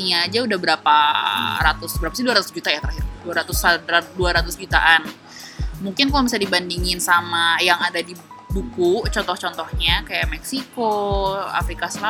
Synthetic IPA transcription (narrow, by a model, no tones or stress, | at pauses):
iɲaːd͡ʒaudahbəɾapaɾat̪ʊsbəɾapasiduaɾat̪ʊsd͡ʒut̪ajat̪əɾahɪrduaɾat̪ʊsduaɾat̪ʊsd͡ʒut̪aʔan | muŋkɪnkalabisadibandiŋɪnsamajaŋadadi | bukut͡ʃɔnt̪ɔht͡ʃɔnt̪ɔhɲakajaʔmɛksikoa̰fɾikasəla